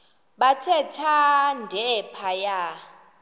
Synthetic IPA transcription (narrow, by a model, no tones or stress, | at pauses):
ɓatʰɛtʰandʱɛpʰaja